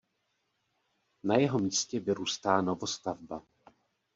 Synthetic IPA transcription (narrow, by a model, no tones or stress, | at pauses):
najɛɦo̞miːscɛvɪɾuːst̪aːno̞vo̞st̪avba